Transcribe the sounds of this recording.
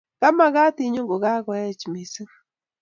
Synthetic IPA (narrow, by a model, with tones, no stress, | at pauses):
ka˦ma˦ɣa˦t̪i˦˨ɲo˦ŋɡo˨ɣa˦ɣwa˨ɛ˦t͡ʃi˨mi˨si˦